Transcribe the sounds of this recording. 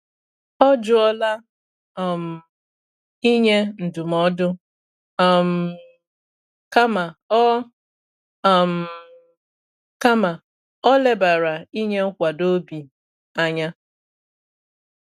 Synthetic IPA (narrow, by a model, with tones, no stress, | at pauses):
ɔ˦d͡ʒʊ˦ɔ˦la˦˨ | m̩˨ | i˦ɲe˦n̩˨du˨mɔ˨dʊ˦˨ | m̩˨ | ka˦ma˨˦˨ | m̩˨ | ka˦ma˨ | ɔ˦le˦ba˨ɾa˨i˦ɲe˦kʷa˨do˦bi˨ | a˨ɲa˦